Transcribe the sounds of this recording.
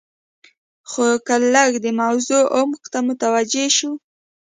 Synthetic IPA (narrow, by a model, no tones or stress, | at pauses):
xokalaɡd̪əmawzoʔʊmqt̪amʊt̪awad͡ʒeʃu